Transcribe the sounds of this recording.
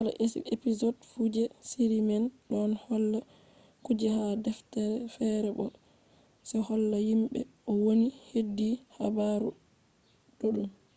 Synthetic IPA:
ʔala̰ʔesḭepizɔdfud͡ʒɛsiɾimɛnɗɔnhɔlːa | kud͡ʒɛhadɛftɛɾɛfɛɾɛbɔ̰ | sɛhɔlːajimɓɛ̰ʔɔwonihedːiha̰baɾu | ɗoɗum

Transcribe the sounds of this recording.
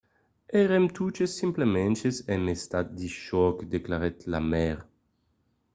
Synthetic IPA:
ɛʁemt̪ʰut͡ʃesːimplement͡ʃesenest̪at̪̚d̪iʃɔkd̪eklaɾet̪la̰mɛʁ

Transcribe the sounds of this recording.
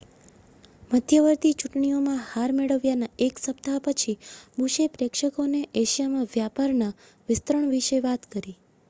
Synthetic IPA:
məd̪ʱjəʋəɾt̪it͡ʃuʈɳiomãhaɾmeɭəʋjanaeksəpt̪ʰapət͡ʃʰibuʃepɾekʃəkoneʔeʃijamãʋjapaɾna | ʋɪst̪ɾəɳʋiʃəʋat̪kəɾi

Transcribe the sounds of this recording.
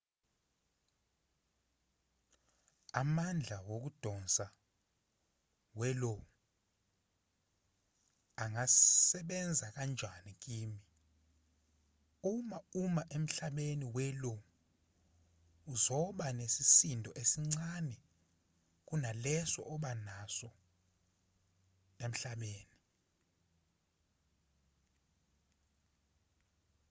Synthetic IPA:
amand͡ɮʱawok̬ud̥ʱɔnsa | wɛlɔ | aŋasɛɓɛnd͡zʱak̬and͡ʒʱanik̬iːmi | umaumaʔem̩ɬaɓeniwɛlɔ | uzɔɓanesisindʱɔʔesiŋ͡ǀanɛ | k̬unalɛsɔ̰ʔɔɓanasɔ | em̩ɬaɓeːni

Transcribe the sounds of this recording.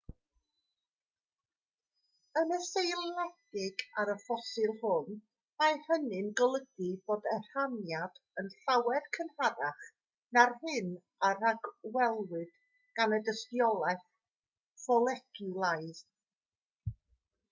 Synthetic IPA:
ənəsejlˠnaɡ̥ɪɡaɾəfɔsɨlˠhʊn | majhənɨnɡəlˠəɡɨb̥oːdɛr̥hanjad̥ənɬawɛd̥kʰənhaɾaχ | narhɨn | aɾaɡwɛlˠwɨd̥ | ɡ̥anədəstjɔlˠɛθ | fɔlˠɛkʰulˠajð̥

